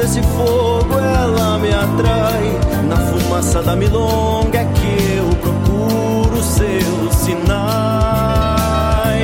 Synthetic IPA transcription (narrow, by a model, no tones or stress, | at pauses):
esɪfo | ɡʊɛlɐmɪat̪ɾa | j | nɐfumasɐd̪ɐmilo | ɡɛkɪewpɾoku | ɾʊselʊsina | j